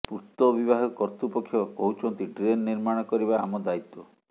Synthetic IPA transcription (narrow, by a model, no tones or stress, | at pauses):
puɾt̪ɔbibaɦɔkɔɾt̪upɔkʰːjɔkɔɦut͡ʃʰɔnt̪iɖɾenːiɾmaɽ̃ɔkɔɾiβaamɔd̪ait̪ɔ